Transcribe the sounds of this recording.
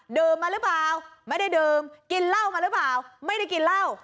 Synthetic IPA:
ɗɨ˨˩əmmaː˨˩lɨ˦˥p̚vaː˨wma˨˦ɗə˧jɗɨ˨˩mki˧˩laː˧wmaː˨˩lɨ˦˥p̚vaː˨˩˨wma˧jɗə˧˩ki˨˩laː˧w

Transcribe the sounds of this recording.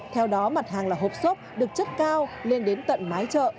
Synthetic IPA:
t̪ʰɛ˧wɗɔ˨˦ma˨˩t̚ɦaː˨˩ŋlaː˨˩ɦo˨˩p̚so˦˥p̚ɗɨ˨˩ək̚t͡ɕə˦˥t̚kaː˧wle˧nɗe˨˦nt̪ə̰˧˨nmaː˨˦jt͡ɕə̰ː˧˨

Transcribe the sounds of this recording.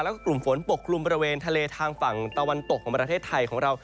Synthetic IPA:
lɛː˦˥kklu˨˩mfo˩˦npo˨˩kʰːlu˧mbɔː˧ɾi˧weː˧nt̪ʰa˧leː˧t̪ʰaː˧ŋfa˨˩ŋt̪a˧wa˧nt̪o˨˩k̚ʰːɔː˩˦pɾa˧t̪ʰeː˥˩t̪ʰːa˧jkʰɔː˩˦ŋɾa˧w

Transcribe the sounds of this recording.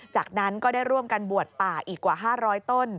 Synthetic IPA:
t͡ɕaː˨˩k̚na˦˥nkɔː˥˩da˥˩jɾu˥˩əmka˧nbu˨˩ət̪̚paː˨˩ʔiː˨˩kːwaː˨˩ɦaː˥˩ɾɔː˦˥jt̪o˥˩n

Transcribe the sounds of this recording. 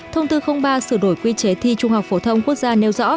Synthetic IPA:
t̪ʰə˧wŋ͡mt̪ɨ˧xə˧wŋ͡mɓaː˧sɨ˧˩ɗo˧˩jkwi˧t͡ɕe˨˦t̪ʰi˧t͡ɕʊ˧ŋ͡mha˨˩wk͡p̚fo˨˦t̪ʰə˧wŋ͡mku˦˥ək̚zaː˧ne˧wzɔ̰˧˥

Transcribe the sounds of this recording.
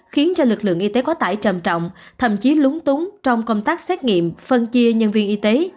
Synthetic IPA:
xi˨˦ənt͡ɕɔ˧lɨ˨˩k̚lɨ̰˧˨əŋʔi˧t̪e˨˦kɔ˨˦t̪a̰ː˧˩jt͡ɕə˨˩mt͡ɕɔ̰˧˨wŋ͡mt̪ʰə̰˧˩˨mt͡ɕi˨˦lʊ˨˦ŋ͡mt̪ʊ˨˦ŋ͡mt͡ɕɔ˧wŋ͡mkə˧wŋ͡mt̪aː˦˥k̚sɛ˦˥t̚ŋḭ˧˨əmfə˧nt͡ɕi˧əɲə˧nvi˧ənʔi˧t̪e˨˦

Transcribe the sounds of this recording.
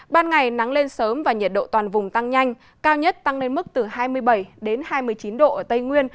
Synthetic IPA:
ɓaː˧nŋa˨˩jna˨˦ŋle˧nsəː˨˦mvaː˨˩ɲə˨˩t̚ɗo̰˧˨t̪waː˨˩nvʊ˨˩ŋ͡mt̪a˧ŋɲa˧jŋ̟ | kaː˧wɲə˦˥t̚t̪a˧ŋle˧nmɨ˦˥k̚t̪ɨ˨˩haː˧jmɨ˧əjɓə˧˩jɗe˨˦nhaː˧jmɨ˧˩əjt͡ɕi˨˦nɗo̰˧˨ʔəː˧˩t̪ə˧jŋwi˧ən

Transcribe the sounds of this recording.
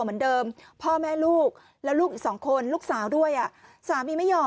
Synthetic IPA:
mɯ˩˦əndɤː˧mpʰɔː˥˩mɛː˥˩luː˥˩k̚ | lɛ˦˥wluː˥˩k̚iː˨˩sɔː˩˦ŋkʰo˧nluː˥˩k̚saː˨˩˦wdu˥˩əjʔa˨˩ʔsaː˨˦wmiː˧ma˥˩jːɔː˧

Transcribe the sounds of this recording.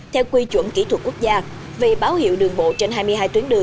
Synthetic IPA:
t̪ʰɛ˧wkwi˧t͡ɕwə̰˧˩nki˧˩t̪ʰwə˨˩ku˦˥ək̚zaː˧ | vi˨˩ɓaː˨˦whḭ˧əwɗɨ˨˩əŋɓo̰˧˨t͡ɕe˧nɦaː˧jmɨ˧əjɦaː˧jt̪wi˨˦nɗɨ˨˩əŋ

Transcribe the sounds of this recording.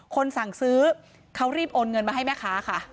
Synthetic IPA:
kʰo˧nsa˨˩˦ŋsɯː˦˥ | kʰa˦˥wɾiː˥˩p̚ʔoː˧nŋɤ˧nma˧ɦa˥˩jmɛː˥˩kʰaː˦˥kʰa˥˩

